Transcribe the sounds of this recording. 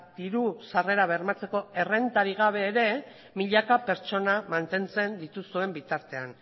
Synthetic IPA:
d̪̥iɾusare̞ɾaβ̞e̞rmat͡se̞ko̞e̞re̞nt̪aɾiɣ̞aβ̞e̞ːɾe̞ | miʎakape̞ɾt͡ʃo̞namant̪e̞nt͡se̞nd̪it̪usue̞mbit̪aɾt̪e̞an

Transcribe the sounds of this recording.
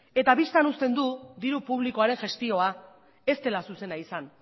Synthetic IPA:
e̞t̪aβist̪anust̪e̞nd̪ud̪iɾupuβliko̞aɾe̞nʝe̞st̪io̞a | e̞st̪e̞lasuse̞naisan

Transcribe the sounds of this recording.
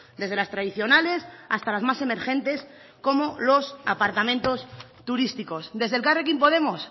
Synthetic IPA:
d̪e̞zð̞e̞last̪ɾaðiθjo̞nale̞sast̪alazmase̞me̞ɾxẽ̞nt̪e̞s | ko̞molo̞sa̰paɾt̪amẽnt̪o̞s | t̪uɾist̪iko̞sd̪e̞zðe̞lkarek̬impo̞ð̞e̞mo̞s

